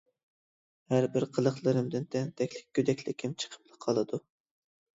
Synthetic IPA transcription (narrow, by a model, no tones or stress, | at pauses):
hæɾbɪɾqʰəlˠəχlˠɨɾɨmd̪ɨnt̪ʰɛnt̪ʰɛkʲlɪ̥k̚ʲkʰʲːød̪ɛkʲlɪkʲʰimt͡ʃʰə̥qʰə̥p̚lˠɨqʰɑlˠɨd̪u